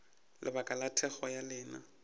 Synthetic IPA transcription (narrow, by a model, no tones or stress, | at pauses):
lʔɪ̰bakʼalatʰɛχɔjalɪːna